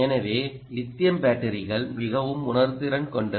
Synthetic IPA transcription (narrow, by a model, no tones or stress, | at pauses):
ɛnɐʋeː | lɪt̪ːɪjɐmbaːʈːɐɾɪɣɐɭmɪɣɐʋɯmʊnɐɾt̪ɪɾɐnkɔɳɖɯ